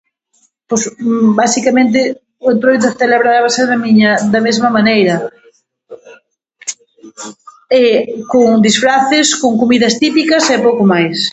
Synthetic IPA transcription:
posbasikɐmẽnt̪̬ɪ | ʊent̪ɾojt̪̬oθeleβɾaɾaβaseɾðɐmiɲɐd̪ɐmezmɐmanejɾɐ | ɛkoŋd̪isfɾaθɪskoŋkomiðɐst̪ipikɐsɛpowkʊmajs

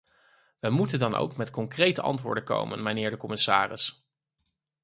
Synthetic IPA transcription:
ʋəmutəndɑnʔo̰wkmɛtkɔŋkrejtəʔɑ̰ntʋʊ̰ːɹdəko̰wmə̰nmənɪːɹdəkɔmɪsa̰ːrɪ̰s

